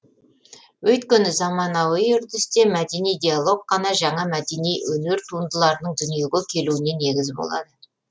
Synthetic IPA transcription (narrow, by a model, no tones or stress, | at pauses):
wɵjt̪kʲenɪzɑmɑnɑwəjʏɾd̪ɪst̪e̞mæd̪e̞nijd̪ʲialˠo̞ɡ̚qɑnɑʒɑɴɑmæd̪e̞nijwɵne̞ɾt̪ʰuənd̪əlˠɑɾənəɴd̪ʏnije̞ɡʲekʲʰe̞luɪne̞ne̞ɡʲɪzbo̞̰lˠɑ̰d̪ə